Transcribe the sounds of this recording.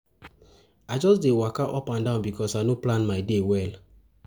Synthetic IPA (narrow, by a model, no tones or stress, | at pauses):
aɪd͡ʒɔsdewakaʔɔpãndãʊ̃nbikʰɔsaɪnoplãnmaɪdewɛl